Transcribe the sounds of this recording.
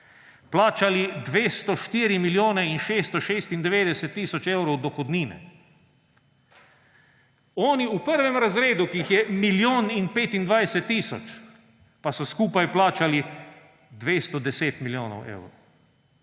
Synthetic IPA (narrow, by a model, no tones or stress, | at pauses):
plaːt͡ʃalid̪ʋeːst̪ɔʃt̪iːɾimiljoːnɛinʃeːst̪ɔʃeːst̪ind̪ɛʋeːd̪ɛsɛt̪ːiːsɔt͡ʃewɾɔwd̪ɔxɔd̪niːnɛ̰ | ɔːniupəɾʋɛmɾazɾeːd̪ukiixjɛmiljoːninpeːt̪ind̪ʋajsɛt̪ːiːsɔ̰t͡ʃ | pasɔskuːpajplaːt͡ʃali | d̪ʋeːst̪ɔd̪ɛseːt̪miljoːnɔ̰wʔḛwɾo̰